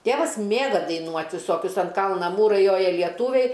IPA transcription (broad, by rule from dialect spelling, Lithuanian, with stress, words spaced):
ˈtʲeːʋɐs ˈmʲeːɡɐ dɐɪˈnuɔtʲ ʋʲɪˈsoːkʲʊs ɐn ˈkɐlˠnɐ ˈmuːrɐɪ ˈjoːjɛ lʲiɛˈtuːʋʲɛɪ